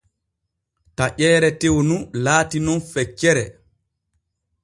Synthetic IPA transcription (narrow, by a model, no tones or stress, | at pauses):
taʔɛːɾɛtewnulaːtinɔnfɛt͡ʃːɛɾɛ